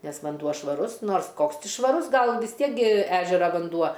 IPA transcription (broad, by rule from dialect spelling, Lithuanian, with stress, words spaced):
ˈnʲɛs ʋɐnˈduɔ ʃʋɐˈrʊs ˈnoːrs ˈkoːks ˈtʲɪ ʃʋɐˈrʊs ˈɡɐlˠ ʋʲɪs ˈtʲiɛk ɡʲɪ ˈæːʒʲɛrɐ ʋɐnˈduɔ